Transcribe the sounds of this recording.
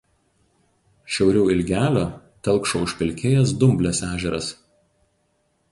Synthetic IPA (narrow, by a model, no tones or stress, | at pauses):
ʃʲɛʊɾʲɛʊɪlʲɡʲæːlʲoː | t̪ʲɛlˠˑkʃoʊʃʲpʲɪlʲkʲeːjɛsd̪ʊmʲbʲlʲɛsæːʒʲɛɾɐs